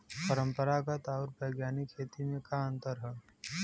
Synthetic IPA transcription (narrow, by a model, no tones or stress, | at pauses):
pəɾə̃mpəɾakat̪aːɾbɐːɡjaːnikʰːeːt̪imẽkaə̃nt̪əɾɦɛː